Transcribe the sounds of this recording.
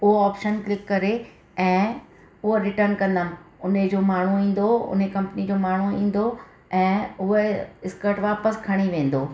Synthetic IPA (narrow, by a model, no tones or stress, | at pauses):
ʊɦoaːpʃənklɪkːɐɾe | ɛ̃ː | ʊɦoɾɪʈəɾnkɐ̃nd̪əmɪ̃ʊned͡ʑoːmaːɳ̤uĩːn̆d̪oʊ̰nɦekɐ̃mpnid͡ʑoːmaːɳ̤uĩːn̆d̪o | ɛ̃ːʊɦeɪskəʈʋaːpəskʰɐɽ̃iʋẽːn̆d̪oː